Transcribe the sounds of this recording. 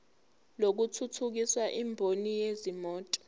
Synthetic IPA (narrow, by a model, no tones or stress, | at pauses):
lok̬utʰutʰuk̬iswaʔimbʱonijezimɔːtʼɔ̥